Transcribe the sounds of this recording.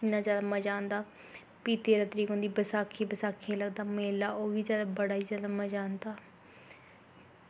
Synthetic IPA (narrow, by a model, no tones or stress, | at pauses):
ɪnːãːzjaːd̪aːməd͡ʒaːnd̪aː | piːt̪eːɾaːt̪əɾiːkoːnd̪iːbəsaːkʰːiːbəsaːkʰːeləɡ̚d̪aːmeːlaːʔoːʋiːzjaːd̪aːbəɽaːiːzjaːd̪aːməd͡ʒaːnd̪aː